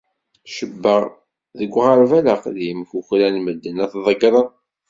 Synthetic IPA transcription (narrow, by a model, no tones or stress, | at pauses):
ʃəbːəʁ | ðəɡʷːʁəɾvælaqðjəmçuçlænməd̪ːənæθðˤəɡɾˤən